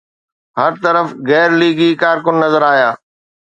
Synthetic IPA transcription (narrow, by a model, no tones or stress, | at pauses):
hɐɾt̪ɐɾəfɣɛːɾliːɡikaːɾkʊnːɐzəɾaːɦijaː